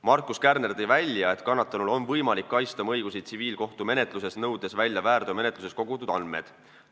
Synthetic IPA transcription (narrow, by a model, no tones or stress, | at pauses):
mɑrkˑuskærnerd̪ejvælʲjɑe̞t̪kɑnːɑt̪ːˑɑnulo̞nvɤjmɑlikːɑjst̪ɑmɤjɡ̥usit̪̚siviːlko̞ht̪ume̞ne̞t̪ˑluse̞snɤwd̪e̞svælʲːjɑvæːrd̪̥ome̞ne̞t̪luse̞sko̞ɡ̥ut̪ːˑud̪ɑnmḛd̪̥